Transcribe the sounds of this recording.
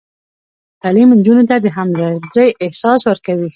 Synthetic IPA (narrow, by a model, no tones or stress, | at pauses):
t̪alimnd͡ʒunot̪ad̪əɦamzaɾəjʔɪhsɑswəɾkawi